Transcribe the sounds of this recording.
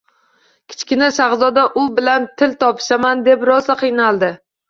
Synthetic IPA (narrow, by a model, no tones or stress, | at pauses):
kʲʰɪ̥t͡ʃkʲɪnaʃaʁzɒd̪aʔʊbɪlant̪ʰɪlt̪ʰɒpʰɪ̥ʃamand̪e̞pɾɒzaqʰɨjnalˠd̪ɪ